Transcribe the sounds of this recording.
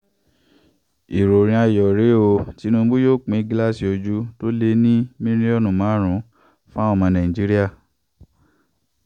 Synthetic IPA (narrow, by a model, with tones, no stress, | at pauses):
i˨ɾo˨ɾ̃ĩ˧a˧˨jɔ˨ɾe˨˦o˧ti˨˦nũ˦ɡ͡bo˦jo˦˨k͡pĩ˨˦ɡi˦la˦˨si˨o˧d͡ʒu˦to˦le˧˦nĩ˦mĩ˦ɾ̃ĩ˦ɔ˦˨nũ˨mãː˨˦ɾ̃ũ˨˦ | fũ˦a˦ɔ˦˨mã˧nã˨ĩ˨d͡ʒi˦ɾi˦a˦˨